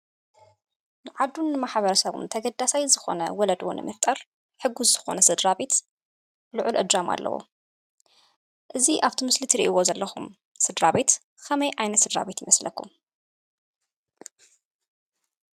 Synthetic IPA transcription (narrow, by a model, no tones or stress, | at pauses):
nɨʕad̪unːɨmaħβɐɾɐsɐβṵnt̪ʰɐɡɐd̪ːasajzɨxo̞̰nɐ̰wɔlɐd̪o̰nɨ̰mɨft̪ʼɐɾ | ħɨɡːuzzɨxo̞̰nɐsɨd̪ɾabe̞t̪ | blɨʕʊlʔɨ̰d̪ɾama̰lːʔɐ̰wo̰ | ʔɨziʔaβt̪ʰimɨslit̪ʰiɾiʔiwozɐlːɐxum | sɨd̪ɾaβe̞t̪ | kʰɐmɐjʔajnɐt̪sɨd̪ɾa̰βe̞t̪jimɐslɐkʰːum